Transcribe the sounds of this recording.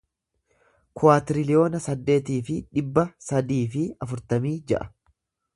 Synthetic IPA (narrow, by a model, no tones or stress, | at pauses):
kʰʊaːt̪ɪɾɪlɪjo̞ːnɐsɐd̪ːe̞ːt̪iːfɪᶑɪbːɐsɐd̪iːfɪɐfʊɾt̪ɐmiːd͡ʒɛ̰ʔɐ̥